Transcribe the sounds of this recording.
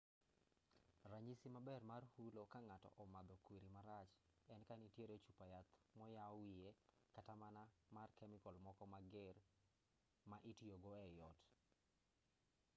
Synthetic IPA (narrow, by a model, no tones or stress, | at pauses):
raɲisimabɛrmarhulokaŋatɔ̰ʔɔmad̪ɔkwiɾimaɾat͡ʃɛnkanitjeɾet͡ʃupajat̪mɔjaɔwijekatamanamarkɛmɪkɔlmɔkɔmaɡɪr | maʔɪtioɡoɛjɔt